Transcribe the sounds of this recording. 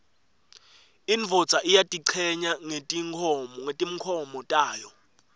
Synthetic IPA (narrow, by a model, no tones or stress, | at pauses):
iɱvʱɔ̥t͡sʼaʔijatʼiǀʰɛɲaŋetʼiŋʰɔŋetʼim̩kʰɔmɔtʼaːjɔ